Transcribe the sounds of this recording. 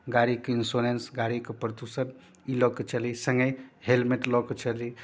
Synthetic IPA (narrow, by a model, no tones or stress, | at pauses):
ɡaɾikinsolensɡaɾikpɾd̪usəd̪ | ilɔket͡ʃʰəlisəŋɡəjhelmeʈlɔket͡ʃʰəli